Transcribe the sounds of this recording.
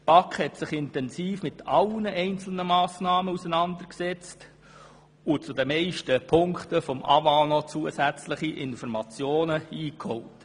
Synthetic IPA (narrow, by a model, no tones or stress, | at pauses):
pɑkχhɛtsɪχɪntɛnsiːfmɪtɑlnəʔɛɪnt͡sl̩nəmɑːsnɑːməusənɑnd̪əɾksɛt͡st | ʊt͡sudəmɛɪʃtəpʰʊŋktəfɔmʔɑ̰vɑlnɔt͡suːəsæt͡slɪχiʔɪnfɔɾmɑt͡sjoːnəiːkhɔwt